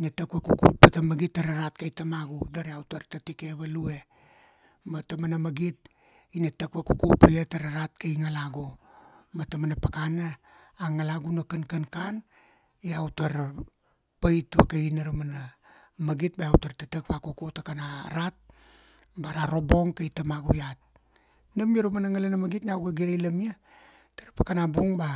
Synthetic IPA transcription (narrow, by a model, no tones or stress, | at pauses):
inatakwakukut̚patamaɡitːaɾaɾat̚kajtamaɡudaɾiawtaɾtatike̞βalue̞ | matamanamaɡit̚ | inatakβakukupajataɾaɾat̚kajŋalaɡumatamanapakanaː | ŋalaɡunakankankan | jawtaɾ | pajtβakainaɾumana | maɡit̚bajawtaɾtatakpakukutakana̰ɾat̚ | baɾaɾo̞bo̞ŋkajtamaɡujat̚ | namjaɾumanaŋalanamaɡitnawɡaɡiɾelamia | taɾpakanabuŋba